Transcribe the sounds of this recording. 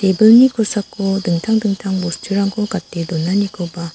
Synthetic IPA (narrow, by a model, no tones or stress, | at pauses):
tebɯɭɲikus͈ʰak͈odɯŋtʰaŋdɯŋtʰaŋmosʰɯ̥t͡ɕʰuɾaŋɡokat͈edonːaɲikoba